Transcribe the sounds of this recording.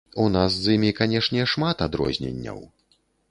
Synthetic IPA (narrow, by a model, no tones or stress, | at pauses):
unaszimʲikanʲɛʂnʲɛʂmat̪ad̪ɾɔ̰zʲnʲɛ̰nʲːɐ̰w